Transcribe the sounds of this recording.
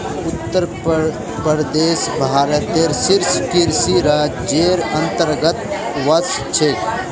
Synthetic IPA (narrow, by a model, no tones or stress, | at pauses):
ʊt̪ːəɾ | pəɾd̪eːsbʱaːɾət̪eːɾsɪɾskɪɾsiɾaːd͡ʒd͡ʒeːɾɐ̃nt̪əɾɡət̪ʋɐst͡ʃʰe